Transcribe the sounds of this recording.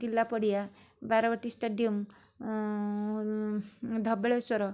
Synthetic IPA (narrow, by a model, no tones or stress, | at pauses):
kilːapəɽija | baɾaʋəʈisʈeɖijəm | d̪ʱəbɭesʋəɾɔ